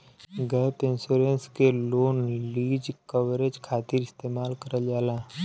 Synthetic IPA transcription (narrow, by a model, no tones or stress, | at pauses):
ɡɛːpɪ̃nsuːɾenskeloːnliːd͡ʒkəʋɾed͡ʒkʰaːt̪iɾɪst̪eːmaːlkəɾəld͡ʒaːlaː